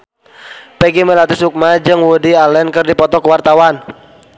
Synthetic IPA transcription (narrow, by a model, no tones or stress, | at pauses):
pɛɡimɛlat̪ɪsuk̚mad͡ʒɨŋwudialɛnkɨrdipɔt̪ɔkəwart̪awan